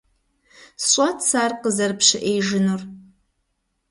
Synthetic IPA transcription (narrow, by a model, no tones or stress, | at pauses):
sɕʷʼatʰsarqəzɐrpʰʂɪʔejʒɪnur